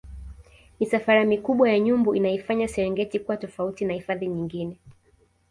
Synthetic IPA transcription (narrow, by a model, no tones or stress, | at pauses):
misafaɾamikuɓwajaɲumbɔʔinaifaɲasɛɾɛŋɡɛtikuwatɔfautinahifaðiɲiŋɡinɛ